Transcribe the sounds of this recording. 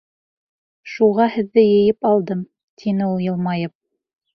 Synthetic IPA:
ʃuʁɑhɘ̆ðːɘjɘ̆jɘpɑlˠd̪ɤm | t̪ʰinɘulˠjɤ̆lˠmɑjɤp̚

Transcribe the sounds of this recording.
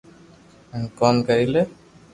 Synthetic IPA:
nkɔmkəɾile

